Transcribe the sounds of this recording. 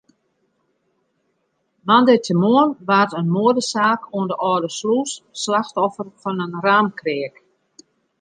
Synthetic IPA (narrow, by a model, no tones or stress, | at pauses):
mandətʰəmoənʋatənmoədəsaːkʰoəndəʔɔːdəsluːsːlaxtɔfərfɔnənraːmkrɪək